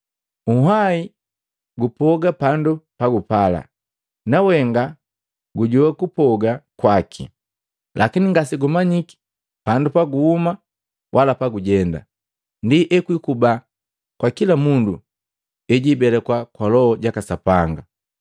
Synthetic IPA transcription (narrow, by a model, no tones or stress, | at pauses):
uɦai | ɡupɔɡapandupaɡupala̰ | nawɛŋɡa | ɡuɟɔwakupɔɡakwakʰḭ | lʔakiniŋɡasiɡumaɲiki̥ | pandupaɡuhuma | wʔalapaɡuɟɛnda̰ | ndiʔɛkwikuba | kwakilamundu | ɛɟibɛlɛkwakwalɔhɔɟakasapaŋɡa